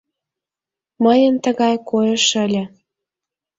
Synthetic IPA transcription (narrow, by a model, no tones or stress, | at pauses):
məjənt̪əɣɑjkojeʃəlʲĕ